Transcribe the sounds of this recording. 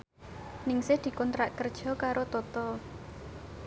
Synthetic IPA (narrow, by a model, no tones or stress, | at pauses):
nɪŋsɪhd̪̥i̤kɔnt̪ɾaʔkərd̥ʒ̥ɔ̤kaɾot̪ɔt̪ɔ